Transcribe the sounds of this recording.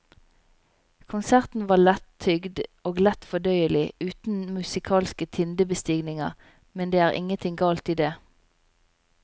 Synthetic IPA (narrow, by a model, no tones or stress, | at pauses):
kʰʊnsæʁt̪n̩ʋɑːlɛt̪ʰʏɡd̪oːɡlɛt̪fɔd̪œʏəlɪʉːt̪n̩mʉsɪkʰɑːlskət̪ʰɪnd̪əbəst̪ɪɡnɪŋɑʁ | mɛnd̪eːæːʁʔɪ̰ŋənt̪ʰɪŋɡɑːlt̪iːd̪eː